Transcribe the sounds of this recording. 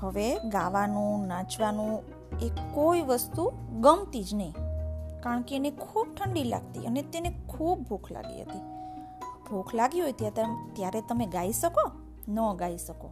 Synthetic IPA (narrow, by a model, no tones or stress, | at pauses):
həʋeɡaʋanũnãt͡ʃʋanũ | ekoiʋəst̪uɡəmt̪id͡ʒnəĩkaɾəɳkeːnekʰub̚ʈʰəɳɖila̰ɡt̪ḭənet̪enekʰub̚bʱukʰla̰ɡḭɦə̰t̪i | bʱukʰlaɡiɦojt̪iat̪at̪jaɾet̪əmeɡaiʃəko | nəɡaisəko̰